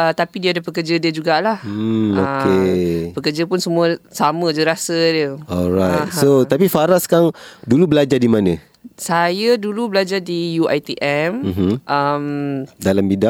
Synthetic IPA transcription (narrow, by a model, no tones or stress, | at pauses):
ʔət̪apidiadapəkərd͡ʒədiəd͡ʒuɡaʔlahokepəkərd͡ʒəpʊnsəmuəsamə̃d͡ʒəɾasədiəɔlɾajt̚sot̪apifaɾaskaŋdulubəlad͡ʒadimanə̃ | sajədulubəlad͡ʒadijuʔajt̪iʔɛmm̩ɦ̩ʔəmdalambidaʔ